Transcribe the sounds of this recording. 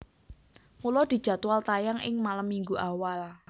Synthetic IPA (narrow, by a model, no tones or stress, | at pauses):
mulɔd̪̥i̤d̥ʒ̥a̤t̪ualt̪ajaŋʔɪ̰ŋmalamːiŋɡuʔawal